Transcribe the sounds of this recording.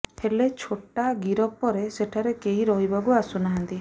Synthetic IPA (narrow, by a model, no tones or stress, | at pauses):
helet͡ʃʰoʈaɡiɾɔpːɔɾeseʈʰaɾekeɦiɾɔɦibakuasunaɦant̪i